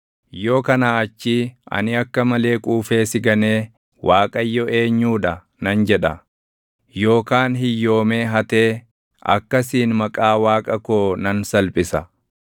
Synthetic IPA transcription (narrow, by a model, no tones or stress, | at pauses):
jo̞ːkɐnaːɐt͡ʃːiʔɐ̰nɪɐkːɐmɐle̞ːkʼuːfe̞ːsɪɡɐne̞ː | wʔaːkʼɐjːɔʔe̞ːɲːuːᶑɐ | nɐnd͡ʒɛᶑɐ | jo̞ːkaːnɦɪjːo̞ːme̞ːɦɐt̪e̞ː | ɐ̰kːɐsiːnmɐkʼaːwaːkʼɐkoːnɐnsɐlpʼɪsɐ